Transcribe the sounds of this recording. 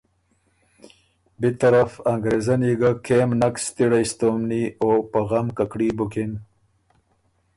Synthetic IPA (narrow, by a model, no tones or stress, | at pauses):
bit̪ɐɾafaŋɡɾezɐniɡakʰeːmnakst̪iɽaist̪oːmniopaɣamkakɽibukin